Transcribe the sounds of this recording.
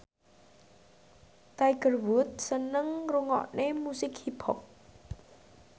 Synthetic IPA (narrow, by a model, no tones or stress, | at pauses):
t̪ajɡərwʊt̪̚sənəŋruŋɔ̰ʔnemusɪkhibʰɔk̚